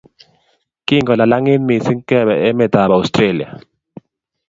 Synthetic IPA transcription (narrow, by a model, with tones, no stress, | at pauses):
ki˦˨ŋɡɔ˨la˨la˦ŋe˦nmi˨si˦ŋ̩˦kɛ˦˨βɛ˨ɛ˦mɛ˦˨t̪a˨ba˨st̪ɾe˦˨li˨a̰˨